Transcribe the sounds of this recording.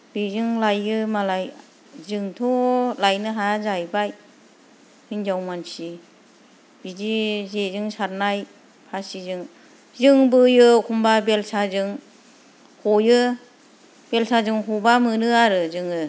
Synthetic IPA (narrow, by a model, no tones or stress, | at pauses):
b̥izɯŋlajɯmalaj | zɯŋtʰɔlajnɯɦazajbaj | hɯnd͡ʒawmansi | b̥izizezɯŋsaɾnaj | pʰasizɯŋ | zɯŋbɯjɯkʰumbabelsazɯŋ | hɔjɯ | b̥elsazɯŋɦubamɯnɯaɾɯzɯŋɯ